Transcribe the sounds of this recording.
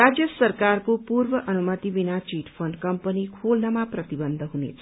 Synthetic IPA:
rad͡zjʌsʌrkarkopurbʌʔʌnumʌt̪ibinat͡ʃiʈpʰʌnɖkʌmpʌnikʰolnʌmaprʌt̪ibʌnd̪ʱɦunḛt͡sʰʌ̥

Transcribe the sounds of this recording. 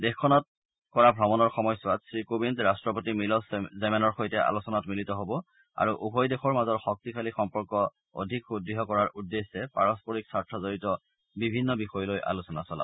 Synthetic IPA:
dexkʰːɔnɔt̚ | kɔɹabʱɹɔmɔnɔɹxɔmɔjsʊatsɹikobinzɹastɹɔpotimilɔszɛmɛnɔɹxojtɛʔa̰lusɔnatmilitɔɦobɔ | a̰ɹuʔubʱɔjdexɔɹmazɔɹxɔk̚tikʰalixɔmpɔɹkɔ | o̰dʱikudːiɦɔkɔɹaɹʔudːesɛpaɹɔspɔɹiksaɹtʰɹɔzoɹitɔ | bibʱinːɔbixɔjɔlojʔa̰lusɔna̰sɔla̰b

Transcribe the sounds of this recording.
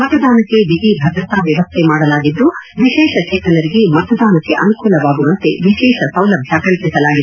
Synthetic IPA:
mɐt̪ɐd̪aːnɐkːe̞d̪iɡibʱɐd̪ɾɐt̪aːʋjɐʋɐst̪ʰemaːɽɐlaːɡid̪ːuʋiʃɛːʂɐt͡ʃeːt̪ɐnɐɾiɡemɐt̪ɐd̪aːnɐkːe̞ʔɐnukuːlɐʋaːɡuʋɐnt̪e̞̰ʋiʃɛːʃɐsɐwlɐbʱjaːkɐɭpisɐlaːɡid̪

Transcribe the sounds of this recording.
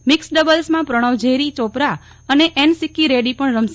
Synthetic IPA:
mɪksɖəbəlsmãpɾəɽ̃əʋd͡ʒeɾit͡ʃopɾa | əneʔensikːiɾeɖipəɳɾəms

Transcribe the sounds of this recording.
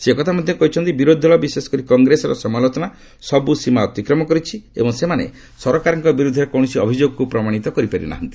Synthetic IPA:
sekɔt̪ʰamɔd̪ʱjɔkɔɦit͡ʃʰɔnt̪ibiɾod̪ʱɔlɔbisesɔ̥kɔɾikɔŋɡɾesɔɾɔsɔmalɔt̪ɔna | sɔbusimaɔt̪ikɾɔmɔkɔɾit͡ʃʰiḛbɔŋsemanḛ | sɔɾɔkaɾɔŋkɔbiɾud̪ʱːɔɾɔkɔw̃ɔsiɔbʱid͡ʒoɡɔkupɾɔmaɽ̃it̪ɔkɔɾipaɾḭna̰ɦɔnt̪i̥

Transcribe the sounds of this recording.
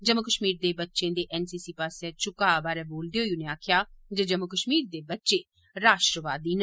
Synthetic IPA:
d͡ʒəmːəkəʃmiːɾd̪eːbətːʃẽːd̪eːʔɛːnsiːsiːpaːsɛːt͡ʃʊkaːbaːɾɛːboːld̪eːɦoːiunẽaːkʰjaːd͡ʒəd͡ʒəmːəkəʃmiːɾd̪eːbətːʃẽː | ɾaːʃʈɾəʋaːd̪iːn

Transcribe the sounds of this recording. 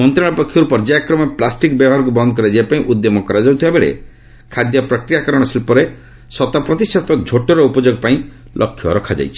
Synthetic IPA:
mɔnt̪ɾaɭ̃ɔpɔkʰːjɔɾupɔɾd͡ʒajakɾɔmɔplasʈikbjɔbɔɦaɾɔk̬ubɔnd̪ɔkɔɾed͡ʒeapaĩʔud̪jɔmɔkɔɾad͡ʒɔwt̪ʰiebeɭḛ | kʰad̪jɔpɾɔkɾijakɔɾɔɽ̃ɔsilpɔɾe | sɔt̪apɾɔt̪isɔt̪ɔd͡ʒʱoʈɔɾɔupɔd͡ʒoɡɔpaĩ | lʔɔkʰːjɔ̰ɾɔkʰad͡ʒa̰jt͡ʃʰi̥

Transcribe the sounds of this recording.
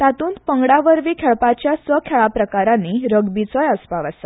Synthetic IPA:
t̪at̪uːnpəŋɡɽaʋəɾʋiːkʰɛɭpat͡ɕjasʋəkʰɛɭapɾəkaɾãnːiːɾəɡbit͡sɔjəspaʋasa

